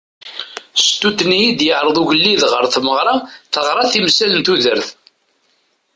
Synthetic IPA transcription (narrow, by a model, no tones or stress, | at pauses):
st̪ut̪ːnijid̪jəʕɾˤəðˤuʝəlːiðʁəɾθməʁɾˤɑθəʁɾˤɑθimsælənt̪uðəɾθ